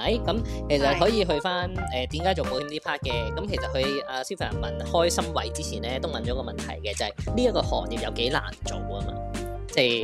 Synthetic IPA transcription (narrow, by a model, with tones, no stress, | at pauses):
ɐ˨˥jkɐ˨˥mkʰe˨˩jsɐ˨t̚ɦɔː˨˥jiː˧ɦɵ˧ɥfaː˥nɛː˨t̪iː˨˥mkaː˨˥jt͡ʃo˨wpo˨˥wt̪ʰiː˧˥nt̪iː˥pʰaː˥t̚kɛː˧kɐ˨˥mkʰe˨˩jsɐ˨t̚hɵ˧ɥaː˧si˥wfʰa̰ː˨˩nmɐ˨˩nhɔː˥jsɐ˥mwɐ˨˩jt͡siː˥t͡sʰiː˨˩nlɛː˥t̪o˥wmɐ˨nt͡ʃɔː˨˧˥kɔː˧mɐ˨nt̪ʰɐ̰˨˩jkɛː˧t͡sɐ˨ɐ˨jliː˥ɐ˥kːɔː˧hɔː˨k̚liː˨p̚jɐ˧wke˨˥jla̰ː˨˩nt͡so̰˨wɐ˥ma̰ː˧ | t͡sɛ˥˩j